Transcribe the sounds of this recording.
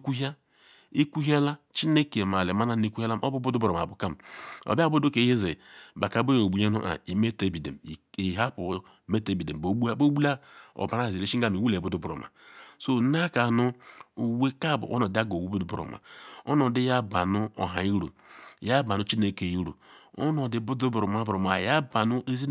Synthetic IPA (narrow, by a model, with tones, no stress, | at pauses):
i˦kʷu˦ɦa˦ | i˦ku˦ɦa˦la˦ | t͡ʃi˦ne˦ke˨ma˨le˨ma˨˦na˦n˦i˦ku˦he˦la˦m˦o˦bu˦bu˦du˦bɾo˨m˨a˨bu˨ka˦˨m˨o̰˨bi˦a˦bu˦du˦ke˨je˦ze˨ba˨ka˨bo˦jo˨bu˨˦je˦nṵ˦ʔa̰˨i˨me˦te˦bi˨dḛ˨m˨i˨ɦa˦pu˨ | me˦te˦˨bi˨de˨m˨bo˨˦bu˦a˦bo˦bu˦la˦o̰˨ba˨ɾa˦˨zi˨ɾe˦ʃi˦ɡa˦˨mi˨wu˦le˨bu˦du˦bɾo̰˨ma̰˨so˦n˦a˦ka˨nu˦u˨we˦ka˦˨bṵ˨ʔo̰˦no˨di˦a˦ɡo˨wu˦bu˦du˦b̰ɾo̰˨ma̰˨o̰˦no˨˦di˦ja˦ba˨nu˦o̰˨ɦa̰˨i˦ɾṵ˨ja˦ba˨nu˦t͡ʃi˦ne˨ke˨ji˦ɾṵ˨o̰˦no˨di˨bu˦du˦bu˨ɾo˨ma˨˦bɾo˨ma˨ja˦ba˨nu˦ʔe˦zi˦